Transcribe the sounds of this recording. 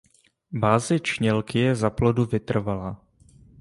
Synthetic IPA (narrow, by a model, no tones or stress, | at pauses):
baːzɪt͡ʃɲɛlkɪjɛzaploduvɪt̪r̩vala